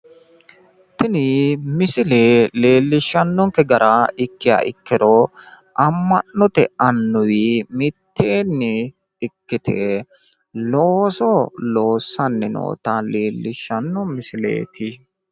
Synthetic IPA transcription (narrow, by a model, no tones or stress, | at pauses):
t̪ɪnɪmɪsɪleːle̞ːlːɪʃːɐnːɔŋkɛɡɐɾʔaɪkːɪja̰ːʔɪ̰kːɪɾɔ | ʔɐmːɐnːɔt̪ɛɐnːʊwimɪt̪ːeːnːɪ | ɪkːɪt̪ʰe | loːsɔlo̞ːsːɐnːɛno̰ːt̪ɐleːlːɪʃːɐnːɔmɪsɪlḛːt̪ʰɪ